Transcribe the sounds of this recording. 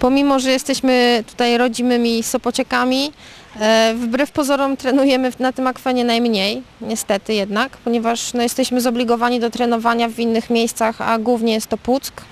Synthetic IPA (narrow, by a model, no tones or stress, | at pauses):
pɔmʲimɔʐɛjɛst̪ɛɕmɘt̪u̥t̪ajɾɔd͡ʑimɘmʲisɔpɔt͡ɕɛkamʲi | vbɾɛfpɔzɔɾɔmt̪ɾɛnujɛmɘnat̪ɘmakfɛɲɛnajmɲejɲɛst̪ɛt̪ɘjɛd̪nakpɔɲɛvaʂnɔjɛst̪ɛɕmɘzɔblʲiɡɔvaɲid̪ɔt̪ɾɛn̪ɔvaɲavʲinːɘxmʲejst̪saxa̰ɡwuvɲɛjɛst̪ːɔput̪sk